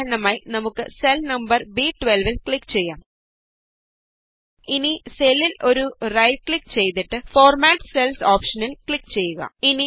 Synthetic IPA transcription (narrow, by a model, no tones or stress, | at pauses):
ɾɐɳɐmaːjinɐmukːɨselnɐmbɐrbiʈʋelʋilkɭikːt͡ɕe̞jːaːm | iniselilo̞ɾurɐjkɭikːt͡ɕe̞jt̪iʈːɨfo̞ːrmaːʈːselsoːpʂɐnilkɭikːt͡ɕe̞jːuɣɐ̰ini